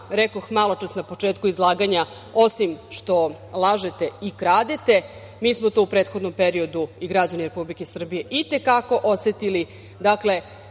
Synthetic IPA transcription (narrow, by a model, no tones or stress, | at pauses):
ɾekoxmalˠot͡ʃasnapo̞t͡ʂeːt̪kuizlˠaːɡaɲa | o̞simʃt̪o̞ | lˠaʒet̪e̞ikɾaːd̪et̪e̞ | miːsmo̞t̪oupɾeːt̪xo̞d̪no̞mpeɾio̞d̪uiɡɾad͡ʑaniɾe̞publikesr̩bije̞ʔit̪e̞kako̞ʔoset̪ili | d̪akle̞